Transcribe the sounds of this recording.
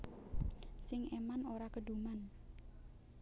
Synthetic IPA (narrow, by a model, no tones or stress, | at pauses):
sɪŋemanoɾakəɖuman